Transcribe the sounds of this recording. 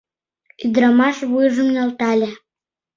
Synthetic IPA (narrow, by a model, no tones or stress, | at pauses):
yd̪ɾɑmɑʃβujʒəmnɑlt̪ɑlʲe